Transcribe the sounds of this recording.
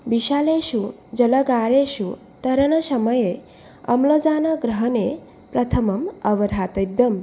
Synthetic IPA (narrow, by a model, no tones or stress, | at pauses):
biɕaːleɕu | d͡zɐlɐɡaːɾeɕu | t̪ɐɾɐnɐsɐməje | ɐ̰mlod͡zaːnɐɡɾɐɦne | pɾɐt̪ʰəmɐmɐʋɐɾʱɦaːt̪ɐbjɐm